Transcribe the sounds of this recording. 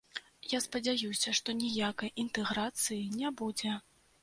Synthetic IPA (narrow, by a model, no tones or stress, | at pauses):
jaspɐd͡zʲajusʲɐʂt̪ɔnʲijakɐjʔint̪ɛɣɾat̪sɨjinʲɛbud͡zʲɛ